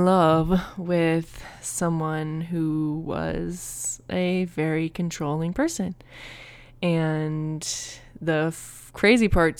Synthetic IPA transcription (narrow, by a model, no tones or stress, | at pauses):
lʌvwɪð̥sʌ̃mwʌ̃nɦuwʌ̰z̥ɨvɛɹikʰɨ̃n̩tʰɹ̥oʊlˠɪ̃ŋpʰɜ˞sɨ̃n | ɨ̃n | ðɨ | kʰɹ̥eɪzipʰɑɹt